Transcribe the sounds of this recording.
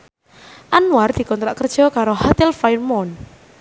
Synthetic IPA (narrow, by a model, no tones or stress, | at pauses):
ʔanward̪̥i̤kɔnt̪ɾaʔkərd̥ʒ̥ɔ̤kaɾoɦat̪ɪlfajrmɔn